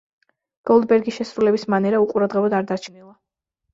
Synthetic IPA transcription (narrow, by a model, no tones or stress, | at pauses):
ɡ̥ɔlˠd̪bɛɾɡiʃɛsɾulɛbismanɛɾauqʼuɾad̪ʁɛbɔd̪aɾd̪at͡ʃʰnilˠa